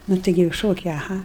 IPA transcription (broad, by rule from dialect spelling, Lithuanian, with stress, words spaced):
ˈnʊ ˈtɐɪɡʲɪ jɛʊ ˈʃoːkʲɛɪ ɐˈɣɐ